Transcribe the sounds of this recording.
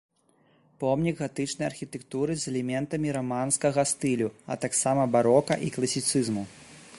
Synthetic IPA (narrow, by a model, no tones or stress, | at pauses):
pɔmnʲiɡɣat̪ɨt͡ʂnɐjɐrxʲit̪ɛkt̪uɾɨzɛlʲɛmʲɛnt̪ɐmʲiɾɔmanskɐɣɐst̪ɨlʲuɐ̰t̪aksamɐbaɾɔkɐʔiklˠɐsʲit̪sɨzmu